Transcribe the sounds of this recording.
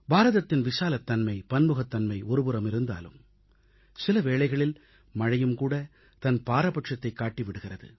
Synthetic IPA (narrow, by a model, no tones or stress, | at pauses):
baːɾɐðɐt̪ːɪnʋɪsaːlɐt̪ːɐnmɐɪpɐnmɯɣɐt̪ːɐnmɐɪɔɾɯbɯɾɐmɪɾɯnd̪a̰ːlɯ̰m | sɪlɐʋeːɭɐɪɣɐɭɪl | mɐɻɐjɯmkuːɽɐ | t̪ɐnpaːɾɐpɐʈʂɐt̪ːɐɪkːaːʈːɪʋɪɽɯɣɪrɐðɯ̰